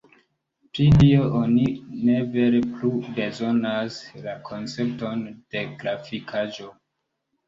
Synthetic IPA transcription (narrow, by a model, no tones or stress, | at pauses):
pɾilioʔonine̞ve̞ɾeplube̞zo̞naslakʰo̞nt͡se̞p̚to̞nd̥e̞ɡɾafikʰaʒo̞